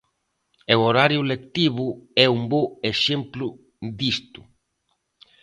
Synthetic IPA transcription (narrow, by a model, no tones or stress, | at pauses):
eoɾaɾjʊlek̚t̪iβʊɛumboeʃemplʊ | d̪ist̪ʊ̥